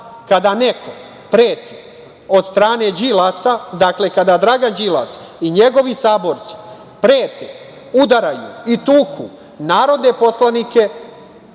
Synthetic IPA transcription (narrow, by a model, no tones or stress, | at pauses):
kad̪ane̞kʰo̞ | pɾeːt̪e | o̞d̪st̪ɾaːne̞d͡ʒilasad̪akle̞kad̪ad̪ɾaɡand͡ʒila̰s | iɲe̞ɡo̞ʋisaːbo̞ɾt̪si̥ | pɾeːt̪e | ud̪aɾajṵit̪uːkʰu | naːɾo̞d̪ne̞po̞slanike̞